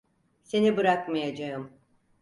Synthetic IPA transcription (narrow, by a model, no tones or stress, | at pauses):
se̞nibɯɾakmajad͡ʒaɯm